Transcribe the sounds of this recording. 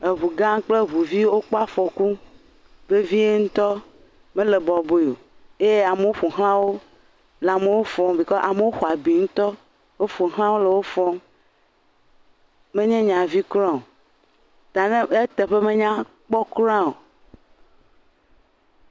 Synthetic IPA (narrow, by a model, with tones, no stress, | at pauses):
e˨βu˨ɡã˦ŋ˦k͡ple˦βu˨vi˦wo˦k͡pɔ˦a˦fɔ˨ku˦ | be˦vi˦e˦ŋũ˦t̪ɔ˦ | mẽ˦le˨bɔ˨bo˦jo̰˨e˦je˦a˨me˨wo˦ɸo˨ɦl̃ã˦wo˦ | le˨a˨me˨wo˦fɔ˦mbi˨kɔ˦ʔa˨me˨˦wo˦xo˨a˨bi˨ŋũ˦t̪ɔ˦ | wo˦fo˨ɦlã˦wo˦le˨wo˦fɔ˦m | mẽ˦ɲɛ̃˦ɲã˨vi˦kɾɔ̃˦o˨ | t̪a˨nẽ˦e˦t̪e˨ɸe˦mẽ˦ɲã˦ | k͡pɔ˦kɾã˦o˨